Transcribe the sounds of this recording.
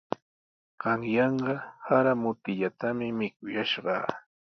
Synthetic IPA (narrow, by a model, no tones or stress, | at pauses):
ɢ̥ɑŋjɑɴɢɑhaɾamʊt̪ɪʎat̪amɪmɪkʊjaʃɢɑ̰ː